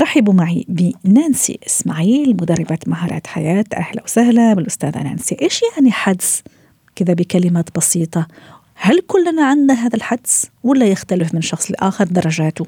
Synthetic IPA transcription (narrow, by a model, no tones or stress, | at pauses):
ɾˤɑħɪbumaʕibɪnaːnsḭʔɪsmaʕiːlmʊd̪ɑrˤːɪbat̪maɦɑːɾˤɑ̰ːt̪ħajaːt̪ʔa̰hla̰wsahlabɪlʔʊst̪aːða̰na̰ːnsiʔeːʃjaʕniħad̪s | kɪðabɪkalɪmaːt̪bɑsiːt̪ˤɑ | halkʊlːanaʕanːaɦaːðalħad̪swalːajɪxt̪alɪfmɪnʃɑxsˤlʔa̰ːxɑɾˤd̪ɑrˤːɑʒaːt̪ʊ